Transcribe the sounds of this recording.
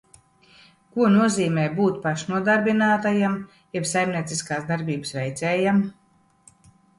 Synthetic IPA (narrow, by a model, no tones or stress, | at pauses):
kuɔnuɔziːmɛːbuːt̪paʃnuɔd̪aɾbinaːt̪ajam | jɛbsajmniɛt̪siskaːsd̪aɾbʲiːbɨsvɛjt̪sɛːjam